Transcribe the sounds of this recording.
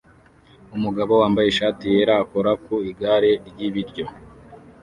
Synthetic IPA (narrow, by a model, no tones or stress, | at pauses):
umuɡaβo̞waːmbaje̞ʃaːtijeɾaːko̞ɾakuiɡaɾe̞ɾɟiβiɾɟo̞